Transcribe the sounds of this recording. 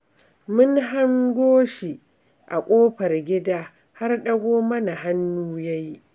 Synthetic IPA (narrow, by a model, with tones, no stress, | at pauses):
mʊ˦nɦa˦ŋɡʷoː˦ʃi˨ | ʔa̰˨kʷʼoː˦ɸɐ˨rɡʲɪ˦daː˦ | ha˦rɗɐ˦ɡʷoː˦mɐ˦na˨ha˦nːuː˦ja˦ji˦ʔ